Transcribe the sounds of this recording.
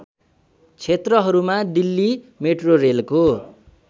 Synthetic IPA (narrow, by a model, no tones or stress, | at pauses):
t͡sʰet̪rʌɦʌɾumaɖilːi | meʈrorelko